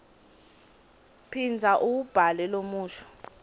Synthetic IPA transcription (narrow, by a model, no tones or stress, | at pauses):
pʰind͡zʱaʔuwub̥ʱalɛlomuːʃʰɔ̥